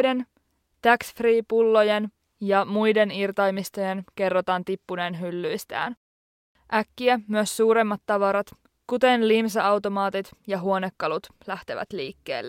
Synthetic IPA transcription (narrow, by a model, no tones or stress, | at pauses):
de̞n | t̪æksfriːpulːo̞je̞n | jɑmujde̞nirt̪ɑjmist̪o̞jenke̞rːot̪ɑːnt̪ipːune̞ːnɦylːyjst̪æ̰ːn | ʔækːiæmyøsːuːɾemːɑt̪ːɑʋɑɾɑt̪ | kut̪e̞nlims̬ɑɑwt̪o̞mɑːt̪it̪jɑɦuo̞nekːɑlut̪ | læht̪e̞ʋæ̰t̪liːkːe̞̰ːlːe